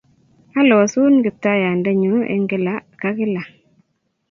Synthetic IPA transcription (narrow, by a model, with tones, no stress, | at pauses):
a˦lɔ˨a˨su˦nɡɪ˨p̚ta˦ja˨nda˦ɲu˨ḛ˦ŋɡɪ˦la˨˦ka˦kɪ˦la˨